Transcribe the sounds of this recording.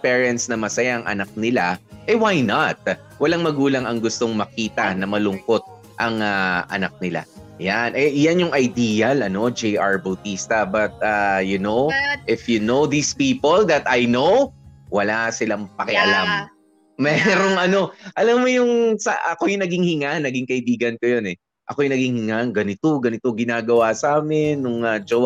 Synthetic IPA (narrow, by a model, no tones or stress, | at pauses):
pɛːɹɛnt̪snɐmɐsɐjaʔɐŋʔɐ̰nak̚nɪlaʔɛwajnɐt̪̚ | wɐlaŋmɐɡuːlɐŋɐŋɡʊst̪o̞ŋmɐkiːt̪ɐnɐmɐlʊŋko̞t̪̚ | ʔɐŋaʔɐ̰nak̚nɪla̰janʔɛʔjanjʊŋʔɐjd̪iːjɐlɐno̞d͡ʒɛjʔaɹbɐwt̪iːst̪ɐbɐt̪̚ajʊnoʔɪfjunowðispiːpold̪ɐt̪ajnowwɐlasɪlaŋpɐkɛʔɐlamː | ɛɾo̞ŋʔɐno̞ʔɐlamːojʊŋsɐ̰ʔɐkojʊnɐɡɪŋhɪŋanɐɡɪŋkɐʔɪbiːɡɐnkojonɛ | ʔɐko̞jʊŋnɐɡɪŋhɪŋaŋɡɐnɪt̪o̞ɡɐnɪt̪oɡɪnaːɡɐwasaːmɛnːʊŋɐd͡ʒow